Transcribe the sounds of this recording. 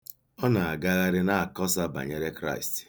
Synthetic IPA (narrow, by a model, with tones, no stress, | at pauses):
ɔ˦na˨a˨ɡa˦ɣa˦ɾɪ˦na˦a˨kɔ˦sa˦ba̰˨ɲe˦ɾe˦kɾa̰˦i˨st